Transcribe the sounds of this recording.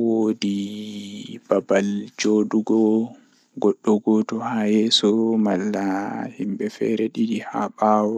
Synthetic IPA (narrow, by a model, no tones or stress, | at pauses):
woːdi | b̥abald͡ʒoːɗuɡɔ | ɡɔɗːɔɡɔtɔhajɛːsɔmalːahimbɛfɛ̰ɾɛɗidiha̰ɓawɔ